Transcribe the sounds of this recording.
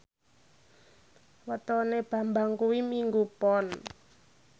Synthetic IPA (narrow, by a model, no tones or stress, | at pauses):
wət̪ɔneb̥a̤mbaŋkuwimiŋɡupɔn